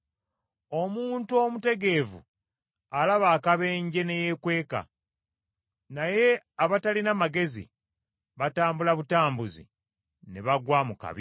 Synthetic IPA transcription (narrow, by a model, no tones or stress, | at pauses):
o̞muːntuomute̞ɡe̞ːvṵ | alaβaːkaβe̞ːɲɟe̞ne̞je̞kwe̞ːka̰ | naje̞aβatalinamaɡe̞zḭ | βataːmbulaβutaːmbuzḭ | neβaɡwamuka̰βi